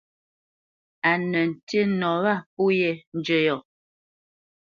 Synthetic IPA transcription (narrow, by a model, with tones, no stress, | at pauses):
a˨nə˨n̩˨te˦nɔ˨βa˦˨pu˦jɛ˦˨n̩˦d͡ʒə˦˨jɔ˨